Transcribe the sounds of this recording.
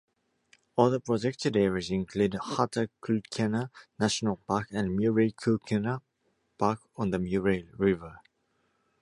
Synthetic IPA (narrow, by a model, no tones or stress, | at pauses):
ɔlðəpɹ̥ɔd͡ʒɛk̚tədɛɹəzɪ̃nkʰludhatəkʰukʰɛnənaʃənəlˠpakə̃nmjuɹekʰukʰɛnə | pʰakɔ̃nðəmjuɹeɹɪvə